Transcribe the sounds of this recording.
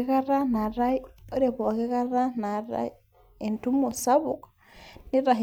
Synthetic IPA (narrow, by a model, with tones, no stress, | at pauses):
e˦ka˦ɾa˦na˨ɾa˦jo˦ɾe˨bɔ˨ke˦ka˦ɾa˦na˨ɾa̰˦j | e˨ntu˦mo˨sa˦βu˨k | ni˦ɾa˨ɦ